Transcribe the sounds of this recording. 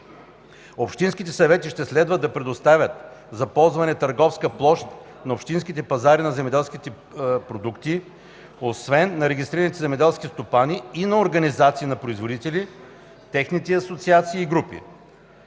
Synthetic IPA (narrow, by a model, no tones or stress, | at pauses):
opʃt̪inskʲit̪ɛsɐvɛt̪iʃt̪ɛslɛd̪vəd̪ɐpɾɛd̪ost̪avʲət̪zɐpɔlˠzvɐnɛt̪ɐɾɡɔfskəplˠɔʃt̪ | nɐopʃt̪inskit̪ɛpɐzaɾinɐzɛmɛd̪ɛlˠsk̟it̪ɛ | pɾod̪ukt̪i | osvɛnːɐɾɛɡʲist̪ɾiɾɐnit̪ɛzɛmɛd̪ɛlˠskist̪opaniːnɐoɾɡɐnizat̪siːnɐpɾoizvod̪it̪ɛlʲi | t̪ɛxnit̪ɛɐsot̪siat̪siːɡɾupḭ